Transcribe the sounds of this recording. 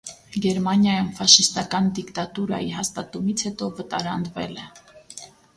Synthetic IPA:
ɡɛɾmɑnjɑjumfɑʃist̪ɑkɑnd̪ikt̪ɑt̪uɾɑ̰jiɦɑst̪ɑt̪umit͡sʰhɛt̪ɔvət̪ɑɾɑnd̪vɛ̰lɛ

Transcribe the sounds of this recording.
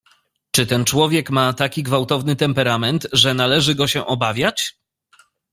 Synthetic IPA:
t͡ʂɘt̪ɛnt͡ʂwɔvʲjɛkmat̪akʲiɡvawt̪ɔvnɘt̪ɛmpɛɾamɛnt̪ʐɛnalɛʐɘɡɔɕɛʔɔbavʲjat͡ɕ

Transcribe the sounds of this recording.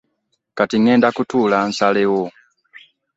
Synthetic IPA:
katiŋeːndakutuːlansalewo

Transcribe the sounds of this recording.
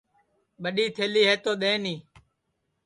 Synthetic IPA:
ɓəɗiːt̪ʰeːliːɦeːt̪oːɗ̪ẽːniː

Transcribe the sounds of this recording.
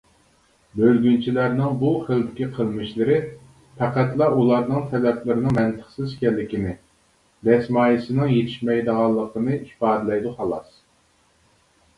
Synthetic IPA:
bølɡʲynt͡ʃʰilæɾnɪŋbuχəld̪ɪkʲiqʰəlˠmɨʃlɨɾɪ | pʰæqæt̪lˠɑulˠɑɾnɨŋt̪ʰɛlɛplɪɾɨnɨŋmɛnt̪ʰə̥χsɪzkʲɛlːɪkʲinɪ | d̪ɛsmɑːjisɨnɨŋjet̪ʰɪ̥ʃmɛjd̪əʁɑlˠːəqʰənɨipɑːd̪ɨlɛjd̪uχɑlˠɑs

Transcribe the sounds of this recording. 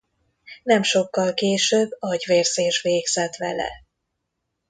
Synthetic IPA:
nɛmʃo̞kːɒlkeːʃøbːɒɟʋeːrzeːʃʋeːɡz̥ɛt̪ʋɛ̰lɛ̰

